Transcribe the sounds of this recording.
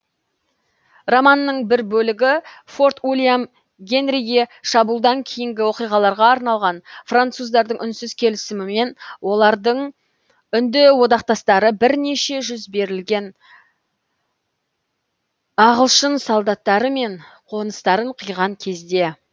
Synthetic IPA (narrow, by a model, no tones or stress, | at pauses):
romanːəɴbɪɾbɵlɪɡʲɪfo̞rt̪ulʲijam | ɡʲe̞nrʲiɡʲeʃɑbulˠd̪ɑŋkʲʰejɪŋɡʲɪwo̞qijʁɑlˠɑɾʁɑːɾnɑlˠʁɑnfrant̪suzd̪ɑɾd̪əɴʏnsʏz̥kʲʰe̞lɪsɪmɪme̞nwo̞lˠɑɾd̪əɴ | ʏnd̪ɪwo̞d̪ɑq̚t̪ɑst̪ɑɾəbɪɾne̞ʃe̞ʒʏzbe̞ɾɪlɡʲe̞n | ɑʁəlˠʃənsɑlˠd̪ɑt̪ːɑɾəme̞ɴqʰo̞nəst̪ɑɾəɴqʰəjʁɑŋkʲʰe̞zd̪e̞